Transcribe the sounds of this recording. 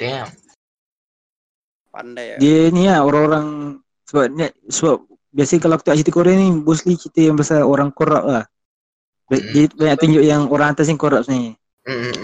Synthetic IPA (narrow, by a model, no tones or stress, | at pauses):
adiəniaoɾaŋoɾaŋ | səbap̚nasəbap̚ | biasakalak̚t̪uŋaʔt͡ʃit̪əkoɾɛnibuslit͡ʃit̪əjaŋbasaoɾaŋkoɾa̰p̚lah | bdiəbaɲak̚t̪uɲd͡ʒʊʔjaŋoɾaŋat̪as̬iŋkoɾap̚ni